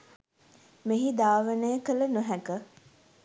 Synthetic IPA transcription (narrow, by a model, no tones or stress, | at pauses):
meɦid̪aːʋənəjəkələnuɦækə